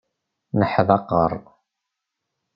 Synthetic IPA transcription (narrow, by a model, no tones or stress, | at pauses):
nəħðɑqəɾˤ